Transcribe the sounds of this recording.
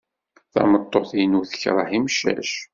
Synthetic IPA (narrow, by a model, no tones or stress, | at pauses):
θæ̰mət̪ˤːoθjənuθəçɾˤəħimʃæ̰ʃ